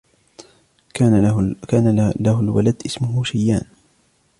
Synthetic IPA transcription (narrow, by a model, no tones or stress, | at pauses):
kaːnalahʊlwa̰lad̪ʔɪsmʊɦuʃajːaːn